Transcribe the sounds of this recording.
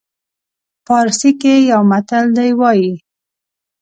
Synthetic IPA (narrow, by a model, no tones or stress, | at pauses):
pɑɾsikejawmat̪əld̪ajwɑji